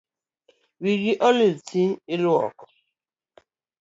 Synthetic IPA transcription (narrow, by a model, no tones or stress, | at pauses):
wiɾiʔɔlitʰielwɔ̰k